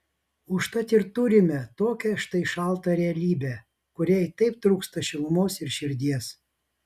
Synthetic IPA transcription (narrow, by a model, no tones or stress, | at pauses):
ʊʃt̪ɐt̪ʲɪɾt̪ʊɾʲɪmʲɛt̪oːkʲɛʃt̪ɐɪʃɐˑlˠt̪ɐɾʲɛɐlʲiːbʲɛ | kʊɾʲɛt̪ɐɪp̚t̪ɾuːkst̪ɐʃʲɪlˠmoːsɪɾʃʲɪɾʲd̪ʲiɛs